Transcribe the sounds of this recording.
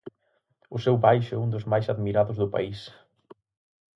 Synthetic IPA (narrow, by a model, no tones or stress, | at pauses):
ʊsɛwbajʃʊɛũnd̪ʊzmajsaðmiɾaðʊzðʊpa̰is